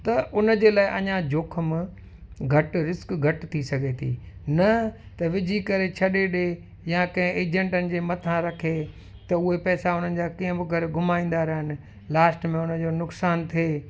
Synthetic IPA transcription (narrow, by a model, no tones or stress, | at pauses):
t̪ɐʔʊnəd͡ʑeːlaːɪʔɐɲãd͡ʑoːkʰəmɪ | ɡʱɐʈɾɪskɡʱɐʈt̪ʰisɐɡʱet̪ʰḭːnɐt̪ɐʋɪd͡ʑʱikɐɾet͡ɕʰɐɗeɗe | jãkɐ̃ɦɪ̃eːd͡ʑẽɳʈənɪ̆d͡ʑeːmɐt̪ʰãɾɐkʰe | t̪ɐʊɦepɛːsaʊn̤ənɪ̆d͡ʑaːkiːə̃bɪɡɐɾɡʱʊmaːĩːn̆d̪aɾɐɦɪnɪ̆ | laːsʈmẽʊnəd͡ʑoːnʊksaːnt̪ʰieː